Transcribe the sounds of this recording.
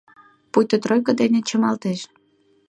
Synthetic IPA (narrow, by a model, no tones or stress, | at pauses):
pujt̪ət̪rojkə̆d̪enet͡ɕə̆mɑlt̪eʃ